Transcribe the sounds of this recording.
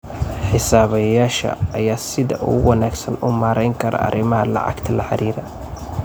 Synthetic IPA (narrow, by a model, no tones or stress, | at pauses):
ħɪsaːβɐjaːʃɐ̰ːjaːsɪðɐʔṵːwɑnaːɡsɐnʊmaːɾɛjŋkʰɐɾɐ̰ɐ̰ɾɪmɐɦɐlɑ̰ʕɑ̰ɡt̪ʰɐlɐħɑ̰ɾiːɾɐ